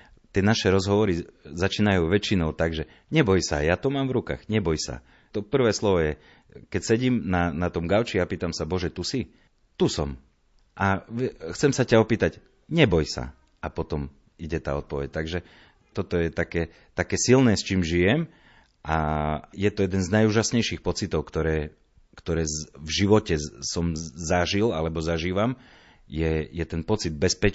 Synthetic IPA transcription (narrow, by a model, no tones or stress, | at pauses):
t̪ɪɛnaʃɛɾɔzɦɔʋɔɾizat͡ʃiːnajuːʋɛt͡ʃinɔʊt̪aɡʒɛ | ɲɛbɔjsajat̪ɔmaːmvɾuka̰ːɣɲɛbɔjsa̰ | t̪ɔpr̩ʋɛːslɔʋɔjɛ | kɛcsɛɟiːmnanat̪ɔmɡaʊt͡ʃiapiːt̪amsabɔʒɛt̪usi | t̪usɔm | ʔaxt͡sɛmsacaɔpiːt̪aɟ | ɲɛbɔjsa̰ | apɔt̪ɔm | iɟɛt̪a̰ːɔt̪̚pɔʋɛc̚t̪aɡʒɛ | t̪ɔt̪ɔjɛt̪akɛː | t̪akɛːsilnɛːst͡ʃiːmʒijɛm | ʔajɛt̪ɔjɛd̪ɛnznajuːʒasɲɛjʃixpɔt͡sit̪ɔʊkt̪ɔɾɛː | kt̪ɔɾɛːvʒiʋɔcɛsɔmzaʒilalɛbɔzaʒiːʋam | jɛjɛt̪ɛnpɔt͡sid̪̚bɛspɛ